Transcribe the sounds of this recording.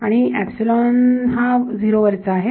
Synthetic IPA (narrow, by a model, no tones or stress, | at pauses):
aɽ̃iæpsilɔnɦad͡ziɾoʋəɾt͡saːɦe